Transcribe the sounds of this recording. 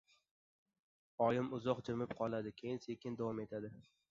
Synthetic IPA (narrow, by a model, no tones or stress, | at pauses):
ɒjɪmʊzɒqd͡ʒɪmɪp̚qʰɒlˠad̪ɪkʲʰejɪnse̞kʲɪnd̪avɒmet̪ʰad̪ɪ